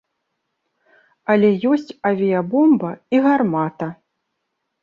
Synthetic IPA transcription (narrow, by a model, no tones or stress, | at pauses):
ɐlʲɛjɔsʲt͡sʲɐvʲijɐbɔmbɐiɣarmat̪ɐ